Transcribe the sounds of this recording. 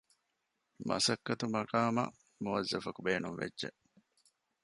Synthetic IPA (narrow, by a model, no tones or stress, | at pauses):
mɐ̰sɐkːɐt̪umɐɾaːmɐ̰ | muʋɐzːɐfɐkubeːnunʋḛdʒḛʔ